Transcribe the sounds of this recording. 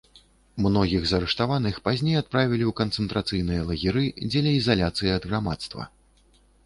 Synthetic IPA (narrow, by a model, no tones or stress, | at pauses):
mnɔɣʲiɣzɐɾɨʂt̪avan̪ɨxpazʲnʲejat̪̚pɾavʲilʲiwkɐnt̪sɛnt̪ɾat̪sɨjnɨjɐlˠɐɣʲiɾɨd͡zʲɛlʲɛizalʲat̪sɨjiɐd̪ɣɾamat̪st̪vɐ̰